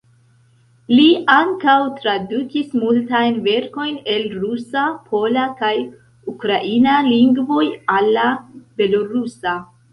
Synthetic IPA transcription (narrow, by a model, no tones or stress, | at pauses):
liaŋkawtɾadukismultajnve̞ɾko̞jne̞lɾusapʰo̞lakaj | ukɾaʔinaliŋɡvo̞jalːabe̞lo̞ɾusa